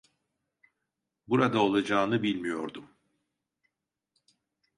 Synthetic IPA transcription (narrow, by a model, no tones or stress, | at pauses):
buɾad̪ao̞lˠad͡ʒaːnɯbilʲmijo̞̰ɾd̪um